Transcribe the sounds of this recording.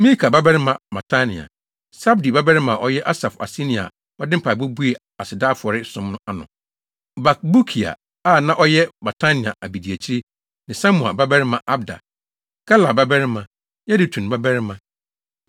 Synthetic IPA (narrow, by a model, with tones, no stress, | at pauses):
mĩ˦lkʰa˨ba˦bɛ˦ɾɪ˦mã˨ma˨tʰa˦nɪ̰̃˨a̰˨ | sa˦bdi˨ba˦bɛ˦ɾɪ˦mã˨ʔɔ˦jɛ˦ʔa˦sa˨fa̰˨si˦nĩ˨a̰˨ | ɔ˦dɪ˦m̩˦pʰa˨bu˦bu˦e˨ | a˨sɪ˨daː˦˨fʊ˨ɔ˨ɾɪ˦sʊ̃˦mnʊ̃˦a˨nʊ̰̃˨ | ba˨k̚bu˦kʰi˨a̰˨ | a˦˨nã˦ʔɔ˦jɛ˦ba˨tʰa˦nɪ̃˨a̰˨ʔa˨bi˨di˨æ˨t͡ɕʰi˦ɾi˦ | nɪ̃˨sa˦mũ˨a̰˨ba˦bɛ˦ɾɪ˦mã˨ʔa˦bda̰˨ | ɡ̥a˦la˨ba˦bɛ˦ɾɪ˦mã˨ | jɛ˦dɪ˨tʰũ˨n˨ba˦bɛ˦ɾɪ˦mã˨